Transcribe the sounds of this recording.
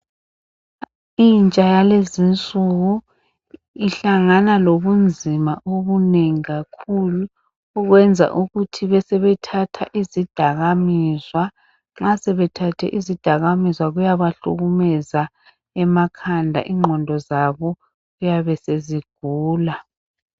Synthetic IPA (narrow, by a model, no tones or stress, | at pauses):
int͡ʃʼajalezint͡sʼuɣu | iɬaŋanaloβund͡zʱimaʔoβuneŋiɣakʰuluː | ɣwɛnd͡zʱa̰ʔuɣutʰiβɛsɛβɛtʰatʰaʔizid̥ʱaɣamizwa | ŋ͡ǁasɛβɛtʰatʰɛ̰ʔizid̥ʱaɣamizwaɣujaβaɬṵɣumɛza | ɛmakʰandʱa̰ʔiŋ͡ǃʱɔndʱɔzaβɔ | ɣujaβɛseziɡ̥ʱuːla